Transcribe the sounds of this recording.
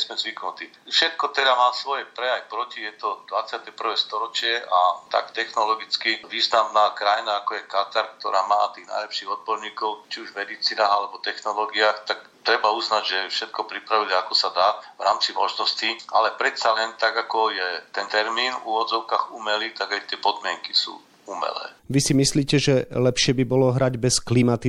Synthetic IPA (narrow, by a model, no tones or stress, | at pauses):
zmɛzʋiknut̪i | fʃɛt̪̚kɔt̪ɛd̪amaːsʋɔjɛpɾɛjajpɾɔcijɛt̪ɔd̪ʋat͡sɪat̪ɛpr̩ʋɛst̪ɔɾɔt͡ʃɪɛʔat̪a̰kt̪ɛxnɔlɔɡit͡skiʋiːznamnaːkɾajnaakɔjɛkat̪aɾk̚t̪ɔɾaːmaːt̪iːɣna̰jlɛpʃiːɣɔd̪̚bɔɾɲiːkɔʊt͡ʃiuʒmɛd̪it͡siːnaːɣalɛbɔt̪ɛxnɔlɔːɡiaːxt̪ak̚ | t̪ɾɛbauznaɟʒɛfʃɛt̪̚kɔpɾipɾaʋilakɔsad̪aːvɾaːmt͡simɔʒnɔscia̰lɛpɾɛt̪salɛnt̪aɡakɔjɛt̪ɛnt̪ɛɾmiːnṵʋɔd͡zɔʊkaːɣumɛlit̪aɡajt̪ɪɛpɔd̪mɪɛŋki̥sṵː | umɛ̰lɛ̰ːʋisimisliːcɛʒɛlɛpʃɪɛbibɔlɔɦɾaɟbɛsklimat̪i